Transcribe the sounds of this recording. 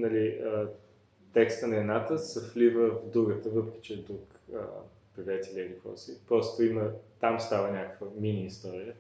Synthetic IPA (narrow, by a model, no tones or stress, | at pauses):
nɐliə | t̪ɛkst̪ənɐɛnat̪əsɐflivəvd̪uɡət̪əvɤpɾɛkʲi̥t͡ʃɛd̪ɾukə̰ | pɾivʲɛt̪ʲilʲiilikɔ̰sipɾɔst̪oimət̪amst̪avənʲakəkvəminiːst̪ɔɾijə